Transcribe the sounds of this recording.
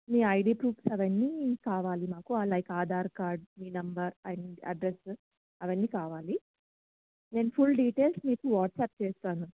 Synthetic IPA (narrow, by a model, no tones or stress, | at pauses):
miːɐjɖiːpɾuːfsɐʋɐnːiːkaːʋaːlimaːkuaːlɐjkaːd̪ʱaːɾkaːɾɖ̚miːnɐmbɐɾɐɳɖɐ̰ɖɾes | ɐʋɐnːiːkaːʋaːli | deːnpʰulɖiːʈeːlsmiːkuʋaːʈsɛːp̚t͡ʃeːst̪aːnu